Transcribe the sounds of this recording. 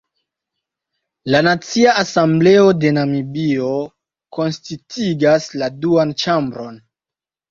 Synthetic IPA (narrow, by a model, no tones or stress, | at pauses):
lanat͡siaʔasamble̞o̞de̞namibio̞ | ko̞nstitʰiɡasladuant͡ʃambɾo̞n